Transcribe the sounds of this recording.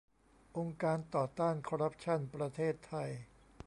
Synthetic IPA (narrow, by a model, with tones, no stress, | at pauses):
ʔo˧ŋkaː˧nt̪ɔː˨˩t̪aː˥˩nkʰo˧ɾa˦˥p̚t͡ɕʰa˥˩npɾa˧t̪ʰeː˥˩t̪ʰːa˧j